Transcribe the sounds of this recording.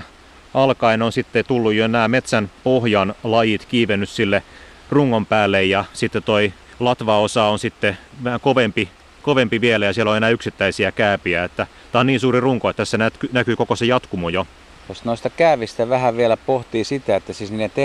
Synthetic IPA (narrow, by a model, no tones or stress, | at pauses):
ɑlkɑinonsit̪ːet̪ulːujjoenæːmet̪sænpohjɑnlɑjit̪kiːʋenːyssilːe | ruŋːompæːlːejjɑsit̪ːet̪oi | lɑt̪ʋɑosɑonsit̪ːeʋæækoʋempi | koʋempiʋielæjɑsielːoenæːyksit̪ːæisiækæːpiæet̪ːæ | t̪æoniːnsuːriruŋkoet̪ːæssenæt̪kynækyːkokosejɑt̪kumojo | t̪osnoist̪ɑkæːʋist̪æʋæhæʋielæpoht̪iːsit̪æet̪ːæsisniːnet̪e